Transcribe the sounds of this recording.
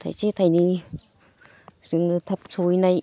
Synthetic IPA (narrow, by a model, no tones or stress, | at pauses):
t̪ʰa̰jt͡ɕit̪ʰajni | siŋɨt̪ʰəp̚sujnaj